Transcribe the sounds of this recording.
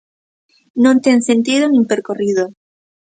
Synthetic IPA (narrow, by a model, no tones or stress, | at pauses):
nõnt̪ensent̪iðonĩmpeɾkoriðo